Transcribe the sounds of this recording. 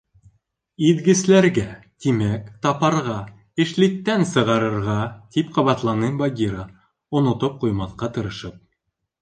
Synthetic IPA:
id̪ɡɘ̆slæɾɡæ | t̪imækt̪ɑpɑɾʁɑ | ɘ̆ʃlit̪ːænsɤ̆ʁɑɾɤ̆ɾʁɑt̪ipqɑβɑt̪lˠɑnɤbɐɡʲiɾə | ŏnŏt̪op̚qujmɑθqɑt̪ɤ̆ɾɤ̆ʃɤp̚

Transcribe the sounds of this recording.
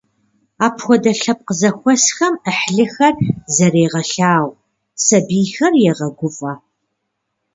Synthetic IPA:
aːpʰxʷɔdɐɬɐp̚qəzɐxʷɔsxɐməħɮɨxɐrzɐɾeːʁɐɬaːw | sɐbiːxɐrjɛʁɐɡʷʊfʼɐ

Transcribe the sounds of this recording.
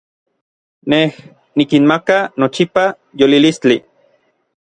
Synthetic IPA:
neh | nikinmakanot͡ʃipa | jolilist͡ɬi

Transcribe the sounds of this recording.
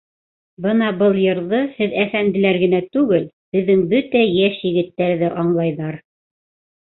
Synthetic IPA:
bɤnɑbɤlˠjɤ̆ɾðɤhɘðæfænd̪ɘ̆læɾɡɘ̆næt̪ʉɡɘl | bɘ̆ðːɘŋbɵt̪æjæʃjɘ̆ɡɘ̆t̪ːæɾðɘʔɑɴlˠɑjðɑɾ

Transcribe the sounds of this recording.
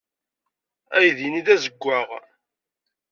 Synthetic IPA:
æjðiniðæzəɡʷːaʁ

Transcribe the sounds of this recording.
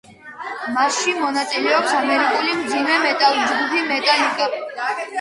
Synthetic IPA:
masʃimɔnat̪sʼilɛɔpsamɛɾikʼulimd̪zimɛmɛt̪ʼalˠd͡ʒɡupʰimɛt̪ʼaliɡʼa

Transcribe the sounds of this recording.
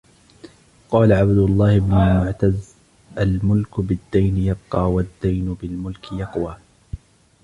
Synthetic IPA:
qɑːlaʕabd̪ʊlˤːɑːhɪbnʊlmʊʕt̪az | ʔalmʊlkʊbɪd̪ːajnɪjɑb̚qɑːwad̪ːajnʊbɪlmʊlkɪjɑqwaː

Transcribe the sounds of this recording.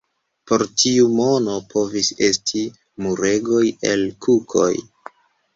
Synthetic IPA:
po̞ɾtʰiumo̞no̞pʰo̞vise̞stʰi | muɾeɡo̞je̞lkʰukʰo̞̰j

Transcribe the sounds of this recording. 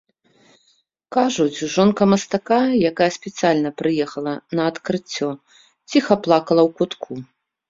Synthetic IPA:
kaʐut͡sʲʐɔnkɐmɐst̪akajakajɐsʲpʲɛt̪sɨjalʲnɐpɾɨjɛxɐlˠɐnɐːt̪kɾɨt͡sʲːɔ | t͡sʲixɐplˠakɐlˠɐwkut̪kʰu

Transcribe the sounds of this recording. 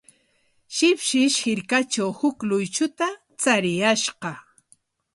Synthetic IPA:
ʃɪpʃɪʃhɪɾkat͡ʃawhʊklʊjt͡ʃʊt̪a | t͡saɾɪjaʃɢɑ

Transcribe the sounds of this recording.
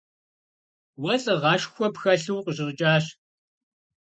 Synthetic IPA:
wɐɬʼɨʁɑːʃxʷɔpxɐɬɨwqəʑɪrt͡ʃʼaːɕ

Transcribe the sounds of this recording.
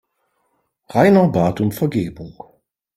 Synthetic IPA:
ʁaɪnɐbaːtʊmfɛɐɡeːbʊŋ

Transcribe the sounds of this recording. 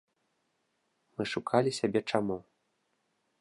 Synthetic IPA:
mɨʂukʰalʲisʲabʲɛt͡ʂamu

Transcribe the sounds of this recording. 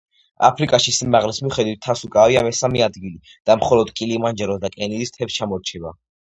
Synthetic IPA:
a̰pʰɾikʼaʃisimaʁlismiχɛd̪wit̪ʰːasukʼaviamɛsamiad̪ɡili | d̪̥amχɔlɔd̪̥kʼilimand͡ʒɛɾɔsd̪akʼɛnid̪ist̪ʰɛpst͡ʃʰamɔɾt͡ʃʰɛba̰

